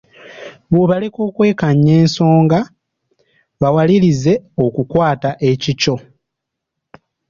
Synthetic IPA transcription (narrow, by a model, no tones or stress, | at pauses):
βoβaleko̞ːkwe̞ːkaɲːe̞ːnso̞ːŋɡa | βawalilize̞o̞kukwaːtaʔe̞cico̞